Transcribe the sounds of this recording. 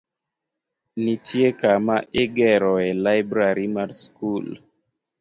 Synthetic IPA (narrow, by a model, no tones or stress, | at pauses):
nitʰiekamaʔeɡeɾɔelajbɾaɾimaɾskul